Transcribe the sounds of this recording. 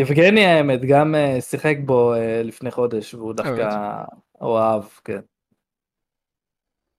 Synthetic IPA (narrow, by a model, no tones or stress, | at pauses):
ivɡenjaemet̪ɡamesiχek̚bo̞elifne̞jχo̞d̪e̞ʃveud̪afka | o̰avkḛn